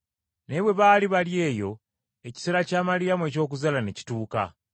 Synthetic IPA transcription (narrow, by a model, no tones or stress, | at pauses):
ne̞βwe̞βaːliβalje̞ːjo̞ | eci̥se̞ɾacaːmalijamue̞ːco̞ːk̬uzalaneci̥tuːka̰